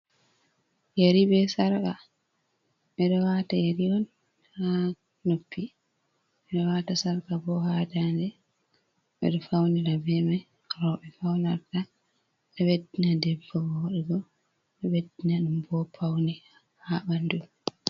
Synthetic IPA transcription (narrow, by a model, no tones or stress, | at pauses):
jaɾiɓɛsaɾka | ɓɛɗɔwatajaɾiɔn | ha | nopːi | ɓɛɗɔwatasaɾkabɔhadandɛ | ɓɛ̰ɗɔfawniɾabɛma | ɾɔɓɛfawnaɾta | ɗɔwedːinadɛbːɔɡɔɗɛɡɔ | ɗɛwedːinaɗumbɔpʰawni | haɓandu